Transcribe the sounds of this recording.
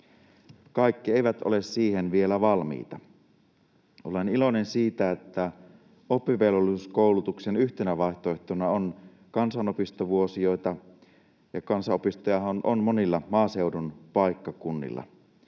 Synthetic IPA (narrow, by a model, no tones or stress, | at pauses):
kɑikːie̞iʋæt̪ʔo̰le̞ssiːhenʋie̞læʋɑlmḭːt̪ɑ | olenilo̞nensiːt̪æet̪ːæ | opːiʋelolːˑisuskoˑulut̪uksenyht̪enæʋɑˑiht̪oeht̪onɑon | kɑnsɑnopist̪oʋuosio̞jt̪ɑ | jɑkɑnsɑopist̪ojɑɦɑnʔonmonilːɑmɑːsewdunpɑikːɑkunːḭlːɑ̰